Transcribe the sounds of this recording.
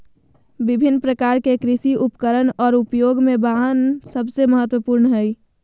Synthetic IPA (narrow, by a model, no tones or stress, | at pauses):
bɪbʱɪnːpɾəkaɾkekɾɪsiʔʊpkəɾənɔːɾʊpjoːɡmẽbaɦənsəbseməɦət̪wəpuɾnɦɛi